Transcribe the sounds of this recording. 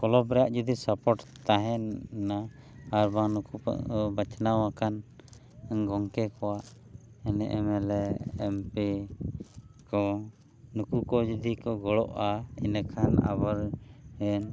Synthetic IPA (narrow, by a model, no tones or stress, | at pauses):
kɔlɔbɾɛjaʔd͡ʒud̪isapɔʈt̪aɦɛnːa | haɾbanukṵbət͡ʃnawakan | ɛnɡɔŋkɛkɔwaʔ | ɛnɛ̰ʔɛmɛlɛɛmpɛ | kɔ | nukukɔd͡ʒud̪ikɔɡɔɽɔ̰ʔaɛ̰nakʰana̰baɾhɛn